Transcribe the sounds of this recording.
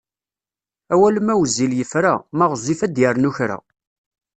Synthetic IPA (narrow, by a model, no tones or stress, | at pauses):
æwælmæwziljəfɾamæʁzˤifæd̪jəɾˤnuçɾa̰